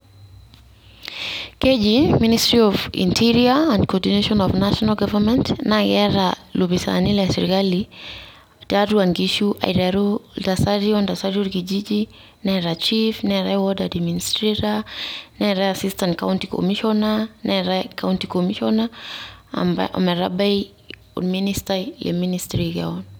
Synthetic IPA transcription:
kɛd͡ʒiministɾiɔvḭntʰiɾiaãndkɔdineʃɔnɔvnaʃɔnalɡavamɛntnaɡɛɾalubisa̰nilɛsɛɾikali | daɾuaŋɡiʃuʔa̰iɾaɾultasaɾiɔndasaɾɔɾkid͡ʒid͡ʒi | nɛɾat͡ʃifnɛɾawɔdadiministɾiɾanɛɾaasistantkauntiko̰miʃɔnanɛɾakawuntikomiʃɔnaa̰mbaʔɔ̰mɛɾa̰baj | ṵministalɛ̰ministɾiɡɛ̰ɔn

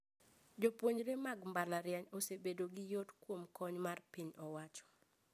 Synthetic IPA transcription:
d͡ʒopwoɲɾemaɡmbalaɾjaɲosebedoɡɪjotkwomkɔɲmarpiɲɔwat͡ʃɔ̥

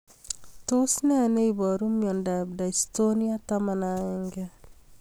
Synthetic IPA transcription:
tosneneibɔɾumjɔndab̚daistoniatamanaɛŋɡɛ

